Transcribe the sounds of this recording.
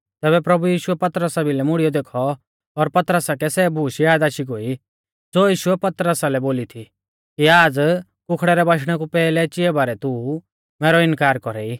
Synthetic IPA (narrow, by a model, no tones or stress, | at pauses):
t̪ɛːbɛpɾɐbujiːʃuɛpɐt̪ɾəsabʱilɛmʊɽijɔd̪eːkʰɔː | ɾpɐt̪ɾəsakɛsɛbʱuːʃijaːd̪aːʃiɡoi | d͡zoːjiːʃuɛpɐt̪ɾəsalɛboːlit̪ʰi | kiaːd͡z | kʊkʰɽɛɾɛbaʃ̬ɽ̃ɛkupɛːlɛt͡ʃɪɛbaːɾɛt̪u | mɛːɾɔɪnkaːɾkɔɾɛi